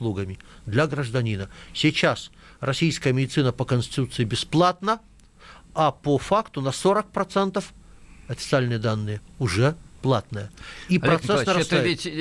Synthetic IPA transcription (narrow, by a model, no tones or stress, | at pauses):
lˠuɡəmʲɪd̪lʲɐɡɾəʐd̪ɐnʲinəsʲɪt͡ɕas | rɐsʲijskəjəmʲɪdʲɪt̪sɨnəpəkənʲsʲt̪ʲɪt̪ut̪sɨjɪbʲɪsplˠat̪nə | apofakt̪ʊnɐsoɾək̚pɾɐt̪sɛnt̪əf | ɐfʲɪ̥t̪sɨalʲnɨjəd̪anːɨjəʊʐɛplˠat̪nəjəipɾɐt̪ɛsnəɾɐst̪ʲ